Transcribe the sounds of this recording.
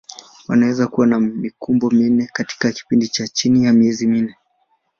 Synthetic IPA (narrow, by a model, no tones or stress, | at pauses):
wanawɛzakuwanamikumbɔminɛkati̥kaki̥pindit͡ʃat͡ʃinijamiɛziminɛ